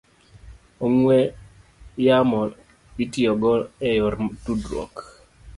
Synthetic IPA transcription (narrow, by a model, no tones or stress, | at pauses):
oŋwɛ | jamɔ | itiɔɡɔɛjɔɾtudɾɔ̰k